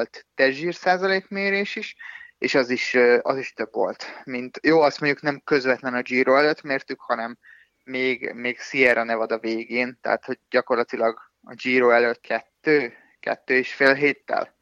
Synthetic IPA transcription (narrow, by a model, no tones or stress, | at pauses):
lt̪ːɛʒiːrsaːzɒleːkmeːɾeːʃiʃeːʃɒziʃøɒziʃt̪ø̞bvo̞̰lt̪mint̪joːɒst̪mo̞ɲɟuknɛmkø̞zvɛt̪lɛnɒd͡ʒiːɾoːɛløt̪meːrt̪ykhɒnɛmː | eːɡmeːɡsiɛɾʔɒnɛvɒd̪ɒveːɡeːnt̪ɛ̰ɦa̰t̪ho̞ɟ̚ɟɒko̞rlɒt̪ilɒɡ | ɒ̰d͡ʒiːɾoːɛløt̪̚kʰɛt̪ːøː | kɛ̰t̪ːøːeʃfeːlɦeːt̪ːɛ̰l